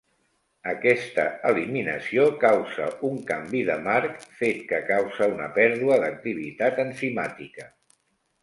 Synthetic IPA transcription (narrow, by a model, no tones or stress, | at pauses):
əkɛst̪əəliminə̰siokawzə̰uŋkambiðəmaɾkfet̪̚kəkawzəunəpɛɾðuəðək̚t̪iβ̞ḭt̪at̪ənsimat̪ikə